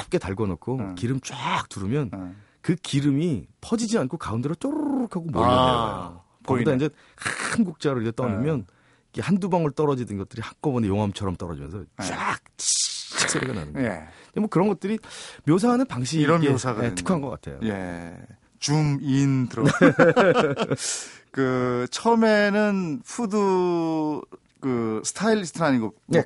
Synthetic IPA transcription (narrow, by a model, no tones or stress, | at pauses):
ap̚k͈e̞taɭɡʌnokʰokiɾɯmt͡ɕ͈wak̚tuɾɯmjʌn | kɯkiɾɯmipʰʌd͡ʑid͡ʑiankʰokaundeɾot͡ɕ͈oɾukʰaɡomoo̰ | daind͡ʑe̞ | kaɯnɡuk̚t͡ɕ͈aɾɯitet͈ʌnɯmjʌn | iɡehandubaŋɯɭt͈ʌɾʌd͡ʑidɯnɡʌt͈ɯɾihakk͈ʌbʌnejoŋɦamt͡ɕʰʌɾʌmt͈ʌɾʌd͡ʑimjʌnsʰʌt͡ɕak̚t͡ɕʰit͡ɕʰi̥k̚s͈ʰeɾeɡana̰nɯnemwʌkɯɾʌnɡʌt̚t͈ɯɾimjos̬ʰanɯnpaŋɕ̬ʰiɾʌesʰaeɯ̥kʰanɡʌk͈a̰tʰe̞̰jo̰jḛ | t͡ɕumintɯɾ | kɯt͡ɕʰʌmenɯnpʰudu | kɯsʰɯ̥tʰailisʰtʰɯɾaɲiɡone